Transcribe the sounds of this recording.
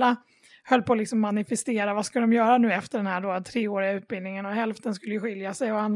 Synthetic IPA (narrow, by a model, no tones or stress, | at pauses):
a | hœlːpʰɔlɪksɔmːanɪfɛst̪eːɾavaskaləd̪ɔmjœːɾanʉ̟ːɛft̪əɖɛnhæɖoːat̪ʰːɾeːoːɾɪaʉ̟ːt̪̚bɪld̪nɪŋənɔɦɛlft̪ənskɵlːəjɵɧɪljasɛjɔan